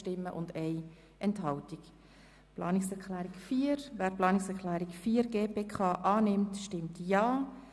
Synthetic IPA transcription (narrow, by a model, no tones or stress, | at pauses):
tɪmːə̰ʔʊ̰ndɛɪ | ʔɛnthɑltik | plɑːnɪksɛɾklæːɾikfiːəɾʋæːɾplɑːniksɛklæːɾikfiːəɾɡeːpeːkʰɑːʔɑːnɪmtʃtɪmtjɑː